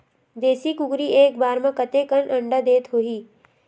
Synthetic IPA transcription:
d̪eːsikʊkɾieːk̚baːɾmãkət̪ekənɐ̃ɳɖəd̪eːt̪ɦoːiː

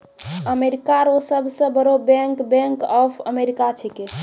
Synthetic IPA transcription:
əmeɾikaɾosəbʱsə̃bəɾobɛ̃ŋkbẽŋkɔpʰə̰meɾikat͡ʃʰɛke

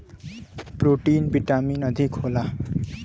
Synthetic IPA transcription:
proʈinbiʈaminʌd̪ʱikhola

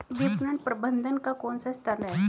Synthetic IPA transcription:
ʋipnəɳpɾəbənd̪ʱənkakɔːnsast̪ʰəɾnɦɛ

